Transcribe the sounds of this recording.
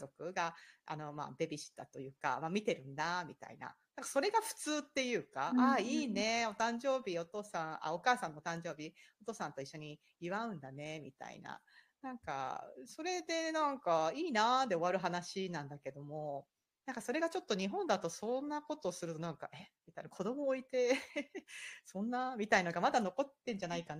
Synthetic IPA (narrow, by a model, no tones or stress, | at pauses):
zo̞kɯ̟ɡaa̰no̞ma̰ːb̪e̞bʲiɕi̥t̪at̪ojɯ̟ːka̰maːmʲit̪e̞ɾɯ̟̃nd̪amʲit̪a̰ḭna̰nãŋkḁso̞ɾe̞ɡaɸɯ̟̥t͡sɨːt̪ːe̞jɯ̟ːkaaiːne̞o̞t̪ãɲd͡ʑo̞ːbʲio̞t̪o̞ːsãɰ̃a̰o̞kaːsãnːot̪ãɲ̟d͡ʑo̞ːbʲio̞t̪o̞ːsãnt̪o̞iɕːo̞ɲ̟i | iβaɯ̟̃nd̪ane̞mʲḭt̪a̰ḭna̰nãŋka̰so̞ɾe̞d̪e̞nãŋkaiːnad̪e̞o̞βaɾɯ̟ɦanaɕinãnd̪ake̞d̪o̞mo̞ | nãŋkaso̞ɾe̞ɡat͡ɕo̞t̪ːo̞ɲ̟iɦõ̞nd̪at̪o̞sõ̞nːako̞t̪o̞sɨɾɯ̟t̪o̞nãŋka̰ʔemʲit̪ainakʰo̞d̪o̞mo̞ːit̪e̞ | sõ̞nːamʲit̪ainoɡamad̪ano̞ko̞t̪ːẽ̞ɲ̟d͡ʑanaikan